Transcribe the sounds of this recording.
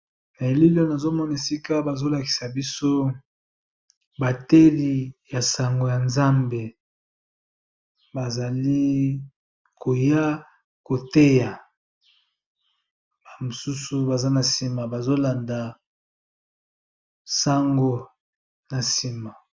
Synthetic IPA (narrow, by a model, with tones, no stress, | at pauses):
na˨e˨li˦lo˦na˨zo˦mɔ˦na˨e˨si˦ka˦ba˨zo˦la˨ki̥˨sa˨bi˦so˦ | ba˨te˦li˨ja˨sa˨ŋɡo˨ja˨nza˦mbe˨ | ba˨za˨li˦ | ko˨ja˦ | ko˨te˦ja˨ | ba˨mo˨su˦su˨ba˨za˦na˨si˨ma˨ba˨zo˦la˨nda˨ | sa˦ŋɡo˨ | na˨si˨ma˨